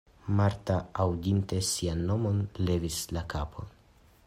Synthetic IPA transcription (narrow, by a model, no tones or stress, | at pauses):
maɾtaːwdinte̞sianːo̞mo̞nle̞vislakapʰo̞n